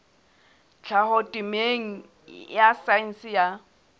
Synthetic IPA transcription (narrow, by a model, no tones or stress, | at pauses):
t͡ɬʰahɔtʼɪmeŋ̩ | jasan̩sja